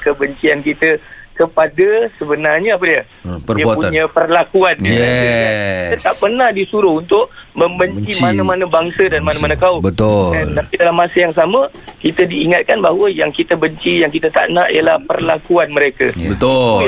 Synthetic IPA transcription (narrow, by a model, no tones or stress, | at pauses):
kəbəɲt͡ʃiankit̪əkəpadasəbənarɲəap̬ədiə | pəiəpuɲãpərlakuanɛ | iət̪aʔpərnahdisuɾʊunt̪ʊʔməmbəɲt͡ʃimãnãmanabaŋsədanmanãmanãkaʊbət̪ʊat̪apidalamːasəjaŋsamə̃ | kit̪ədiːŋat̪̚kanbaɦwəjaŋkit̪əbəɲt͡ʃijaŋkit̪ət̪a̰ʔnaʔijalahpərlakuanməɾeka̰bət̪ʊ